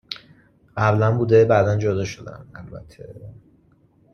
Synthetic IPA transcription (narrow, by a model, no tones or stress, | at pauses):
ɢæblænbuːd̪e̞bæːd̪ænd͡ʒod̪ɒːʃod̪æ̰nælbæ̰t̪ʰːe̞